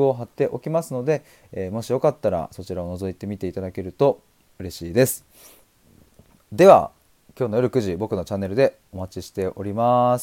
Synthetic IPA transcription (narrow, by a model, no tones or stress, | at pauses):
o̞ɦat̪ːe̞ʔo̞kʲimasɨno̞d̪e̞ | mo̞ɕijo̞kat̪ːaɾa̰so̞t͡ɕiɾao̞no̞zo̞it̪e̞mʲit̪e̞it̪ad̪ake̞ɾɯ̟t̪o̞ | ɯ̟ɾe̞ɕiːd̪e̞sɨ̥ | d̪e̞βa̰ | kʲo̞ːno̞joɾɯ̟kɯ̟ʑibo̞kɯ̟no̞t͡ɕanːe̞ɾɯ̟d̪e̞ | o̞mat͡ɕiɕi̥t̪e̞ʔo̞ɾʲimas